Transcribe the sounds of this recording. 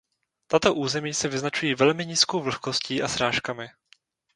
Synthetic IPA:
t̪at̪oʔuːzɛmiːsɛvɪznat͡ʃujiːvɛlmɪɲiːskowvl̩xko̞sciːʔasɾaːʃkamɪ

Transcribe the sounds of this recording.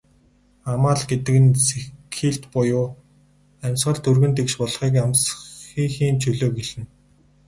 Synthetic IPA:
amaːɮɡet̪ɘ̆kɘ̆nsekʰːiːɮt̪pʊjʊː | æmʲsɢə̆ɮt̪ʰɵrɣɵ̆nt̪ekʃpɔɮχiːkamsxiːxiːnt͡ɕʰɵɮoːɡeɮɘ̆n

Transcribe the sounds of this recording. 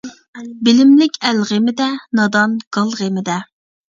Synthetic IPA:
bɪlɪmlɪkʲælʁemɪd̪ɛnɑd̪ɑnɡ̥ɑlˠʁemɪd̪ɛ

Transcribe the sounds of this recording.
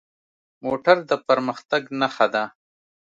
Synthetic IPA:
moːʈaɾd̪əpɐɾməxt̪aɡnaxad̪a

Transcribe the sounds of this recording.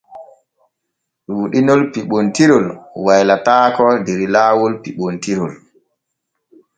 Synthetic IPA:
wuɗinɔlpiɓontiɾɔlwajlataːkɔdeɾilaːwɔlpiɓontiɾɔl

